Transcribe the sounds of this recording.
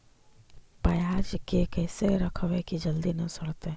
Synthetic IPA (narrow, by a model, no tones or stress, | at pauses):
pɐjaːd͡ʒkekɛːseɾɐkʰəʋekid͡ʒɐld̪inɐsʊɽt̪e